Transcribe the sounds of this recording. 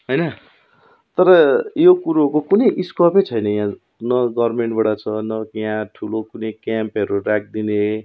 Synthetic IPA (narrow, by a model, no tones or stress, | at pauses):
ɦojnʌ | t̪ʌɾʌjokuɾukokunʌjʔiskʌpʌt͡sʰʌjnʌjã | nʌɡʌrrmeɳʈbaɽat͡sʰʌnʌkiɦãʈʰulokunʌjkampʌɾurak̚d̪ine